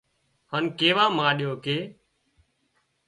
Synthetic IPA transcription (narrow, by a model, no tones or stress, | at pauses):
haːnkeːʋaːmãːɗɪjoːkeː